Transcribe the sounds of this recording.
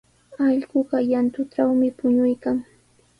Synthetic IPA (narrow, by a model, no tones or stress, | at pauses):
ɑʎɢʊɢɑjant̪ʊʈ͡ʂawmɪpʊɲʊjkaŋ